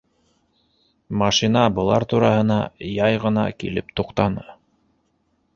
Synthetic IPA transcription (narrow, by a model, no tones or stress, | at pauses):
mɑʃinɑbɤ̆lˠɑ̰ɾt̪uɾɑhɤ̆nɑjɑjʁɤ̆nɑ̰kḭlɘpt̪uqt̪ɑnɤ